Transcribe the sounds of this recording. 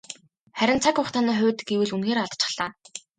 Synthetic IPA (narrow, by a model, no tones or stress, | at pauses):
χæɾʲɪ̆nt͡sʰakʊχt̪ʰaniːχʊ̟ːt̪̆ɡewɘ̆ɮunxeːɾaɮt̪t͡ɕɪ̥̆χɮ̥aː